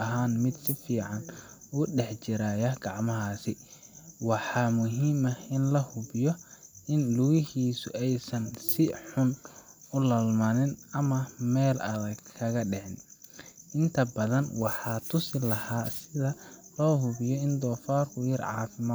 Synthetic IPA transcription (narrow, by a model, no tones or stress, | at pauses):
ɐɦaːnmɪd̪sɪfiːʕɑn | uːɖɛħt͡ʃɪɾaːjɐɡɑʕmɐɦaːsɪ | wɑħɑːmʊɦiːmɐɪnlɐhʊβɪjɔʔɪnlʊɣɪɦiːsʊ̰ʔɛjsɐnsɪħʊnʊlɐlmɐnɪnɐmɐmɛːlɐðɐɡkʰɐɣɐɖɛʕɪnʔɪnt̪ʰɐbɐðɐnwɑħɑːt̪ʰʊsɪlɐhaːsɪðɐlɔːɦʊβɪjɔɪnd̪ɔːfaːrkʰʊjɪrʕɑ̰ːfɪmaː